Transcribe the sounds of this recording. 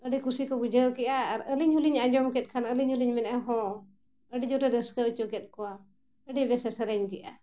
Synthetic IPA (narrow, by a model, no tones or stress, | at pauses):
əɖikusikɔbud͡ʒəkɛʔaːɾəliɲɦuliɲad͡ʒɔmkɛt̪̚kʰanəliɲhuliɲmɛnaɦɔ̃ | əɖid͡ʒɔɾɛɾɛskaut͡ʃɔkɛt̪̚kɔa | əɖibɛsɛsəɾɛɲkiʔa̰